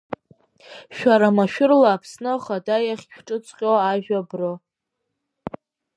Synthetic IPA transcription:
ʃᶣaɾamaʃᶣʊrlaːpʰsnɨχadajaχʲkʰʈ͡ʂʼɨt͡sʷʰʼqʲʼoaʒᶣabrɨ

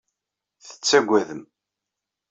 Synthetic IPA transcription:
θə̥t͡sːæɡʷːæðəm

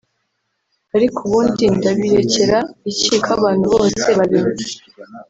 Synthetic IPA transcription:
aɾikʰuβuːndindaβiɾe̞ce̞ɾaiciːkʰaβaːn̥huβo̞ːse̞βaβiɾuɾa

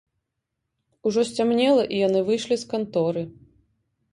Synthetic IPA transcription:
uʐɔsʲt͡sʲamnʲɛlˠɐʔijanɨvɨjʂlʲiskant̪ɔɾɨ

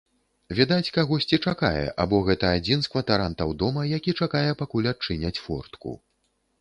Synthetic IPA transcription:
vʲid̪at͡sʲkaɣɔsʲt͡sʲit͡ʂaka̰jɛ̰ʔa̰bɔɣɛt̪ɐad͡zʲinskvɐt̪aɾant̪ɐwd̪ɔmɐjakʲit͡ʂakajɛpakulʲat͡ʂɨnʲɐt͡sʲfɔ̰rt̪kṵ

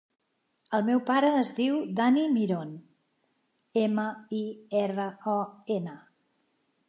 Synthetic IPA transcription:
əlˠmɛwpaɾəːzðiwd̪animiɾon | eməiɛrəɔenə

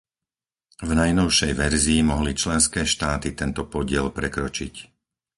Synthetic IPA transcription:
vnajnɔʊʃɛjʋɛɾziːmɔɦlit͡ʃlɛnskɛːʃt̪aːt̪it̪ɛnt̪ɔpɔɟɪɛlpɾɛkɾɔt͡ʃic

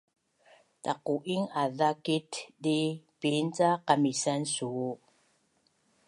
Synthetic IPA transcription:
taquʔiŋaðakitdipint͡saqamisansuu

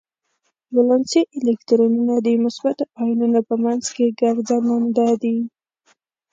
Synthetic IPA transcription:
bolɑnsiʔelekt̪ɾonunad̪imʊsbat̪ɑjnunapəmanzkeɡaɾzanand̪ad̪i

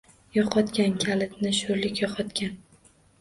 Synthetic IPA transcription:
jɒqʰɒt̪kʲankʲʰalɪt̪nɪʃʊɾlɪkʲjɒqʰɒt̪kʲʰan

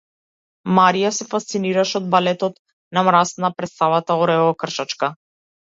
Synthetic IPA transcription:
maɾijasɛfast̪siniɾaʃɛɔd̪̚balɛt̪ɔt̪ | namɾast̪napɾɛt̪savat̪aɔɾɛɔkr̩ʃat͡ʃka

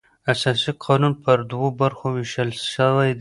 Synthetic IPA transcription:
asɑsiqʰɑnunpəɾd̪wobaɾxowɪʃəlʃəwajd̪

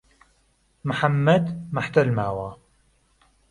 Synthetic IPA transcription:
mħamːɐd̪maħt̪ɐlmaːwa

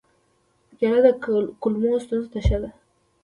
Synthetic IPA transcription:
jaɾad̪əkʊlmost̪unzt̪aʃad̪a

